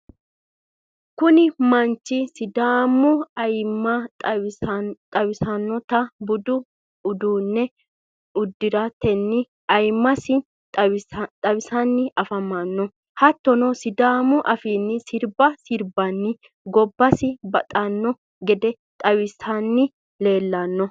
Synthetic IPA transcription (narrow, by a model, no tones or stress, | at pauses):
kʊnɪmɐnt͡ʃːɪsɪd̪aːmʊɐjmːɐ | t̪ʼɐwɪsɐnːɔt̪ɐbʊd̪ʊ | ʊd̪uːnːɛ | ʊd̪ːɪɾɐt̪ɛnːɪ | ɐjmːɐsɪ | t̪ʼɐwɪsɐnːɪɐfɐmːanːɔ | hɐt̪ːɔnɔsɪd̪aːmʊʔɐfiːnːɪsɪɾbɐsɪɾbɐnːɪ | ɡɔbːɐsɪbɐt̪ʼɐnːɔ | ɡɛd̪ɛ | t̪ʼɐwɪsɐnːɪ | le̞ːlːɐnːɔ